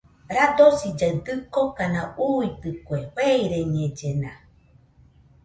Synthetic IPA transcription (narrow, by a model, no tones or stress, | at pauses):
ɾad̪osid͡ʒaɰd̪ɨkokanãuit̪ɨkoeheiɾeɲẽd͡ʒenã